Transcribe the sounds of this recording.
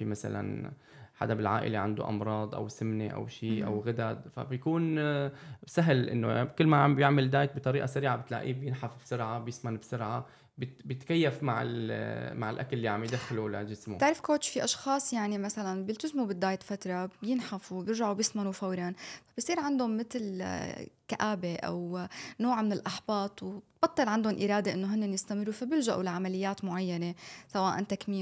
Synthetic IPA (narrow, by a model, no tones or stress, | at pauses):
fimasa̰la̰n | ħa̰d̪abɪlʕa̰ːʔɪ̰leʕand̪o̰ʔɑ̰mɾˤɑːd̪ˤʔa̰wsɪmneʔa̰wʃiːʔa̰wɣad̪ad̪fa̰bjakuːn | saɦlʔɪ̰nːo̰kɪlːmabjɪʕmɪld̪aːjt̪̚bɨt̪ˤɑɾiːʔasaɾiːʕabɪt̪la̰ːʔḭːbjɪnħafbsʊɾʕabjɪsmanbsʊɾʕa | bɪbjɪt̪kajːafmaʕɪ̰lmaʕɪlʔa̰kalːiʕamjd̪axlula̰d͡ʒɪsmṵɪʕɾɪfkoːt͡ʃfiʔɑʃxɑːsˤjaʕnimasalanbjɪlt̪ɪzmubɪd̪ːaːjt̪fat̪ɾˤɑbjɪnħafubjɪɾʒaʕubjɪsmanufawɾˤɑnfabɪsˤiːɾʕand̪hʊmːɪt̪l | kaʔaːbeʔa̰wnoːʕmɪnɪlʔaħbɑːt̪ˤwt̪bɑt̪ˤːɨlʕand̪ʊnʔiɾˤɑːd̪eʔɪnːoɦɪnːenjɪst̪amɪrˤːufabjɪlʒaʔulaʕamalɪjːaːt̪mʊʕajːanesawaːʔa̰nt̪akmiː